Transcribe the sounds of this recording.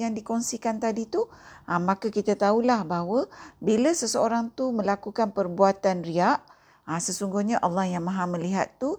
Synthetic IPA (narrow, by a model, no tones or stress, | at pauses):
jaŋdikɔnsikant̪adit̪uʔamãkakit̪at̪aulahbaɦwəbiləsəsəoɾaŋt̪umə̃lakukanpərbuat̪anriaʔ | asəsuŋɡʊhɲaʔalːɔhjaŋmãɦamə̃liɦat̪ːu